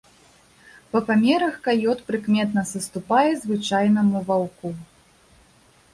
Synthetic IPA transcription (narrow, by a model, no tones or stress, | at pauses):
pɐpamʲɛɾɐxkajɔt̪pɾɨkmʲɛt̪nɐsɐst̪upajɛzvɨt͡ʂajnɐmuvawku